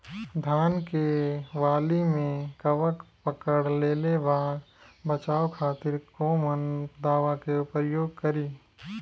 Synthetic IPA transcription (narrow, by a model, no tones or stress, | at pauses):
d̪ʱjaːnkeʋaːlimẽkɐʋəkpəkəɽleːlebaː | bət͡ʃaːokʰaːt̪ɪɾkoːmənd̪aːʋakeʊpəɾjoːɡkəɾiː